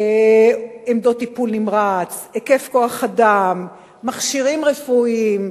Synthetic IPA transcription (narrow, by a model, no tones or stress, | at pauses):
emd̪o̞t̪ːipulnimʁat͡seke̞fko̞aχadamː | aχʃiʁimʁefuim